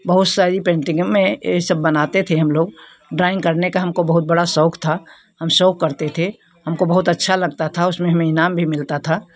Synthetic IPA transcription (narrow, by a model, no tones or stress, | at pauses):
bɐɦʊt̪saːɾipẽːɳʈɪ̃ŋɡəmːẽsəbːənaːt̪et̪ʰeɦɐmloːɡ | ɖɾaːɪ̃ŋkəɾnekaɦɐmkobɐɦʊt̪̚bəɽasɔːkʰt̪ʰa | hɐmsɔːkːəɾt̪et̪ʰe | ɦɐmkobɐɦʊt̪ɐtːʃʰalɐɡ̚t̪at̪ʰaʊsmẽɦɐmẽɪnaːmbʱimɪlt̪at̪ʰa